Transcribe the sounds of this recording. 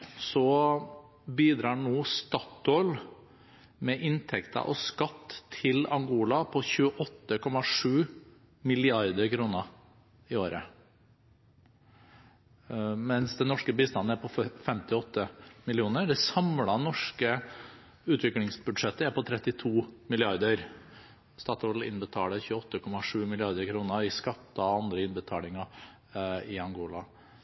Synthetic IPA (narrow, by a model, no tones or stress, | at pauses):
sɔ | biːd̪ɾɑːɳoːst̪ɑt̪ol | mɛʔɪnt̪ʰɛkt̪ʰɑ̰ʔɔskɑt̪ːʰɪlɑŋɡuːlɑpʰɔçʉːəʔɔt̪ːəkʰɔmɑʂʉː | mɪlɪɑɾd̪əɾkʰɾuːnə | ɪoːɾə̰ | mɛnsd̪ɛnɔʂkəbiːst̪ɑnːəæɾpʰɔfɛmt̪ɪɔt̪ʰːəmɪlɪuːnəɖ̪ɛsɑmlɑnɔʂkə | ʉːt̪ʰʋɪklɪŋsbʉd̪ʂɛt̪ːəæɾpɔt̪ʰɾɛt̪ːɪt̪ʰuːmɪlɪɑɾd̪əɾ | st̪ɑːt̪ɔlɪ̰nbət̪ʰɑːləçʉːəɔt̪ːəkʰɔmɑʂʉːmɪlɪɑɾd̪əɾkʰɾuːnəɪskɑt̪ːəɑʋɑnd̪ɾəɪnbət̪ʰɑːlɪŋɑ | ɪɑŋɡoːlɑ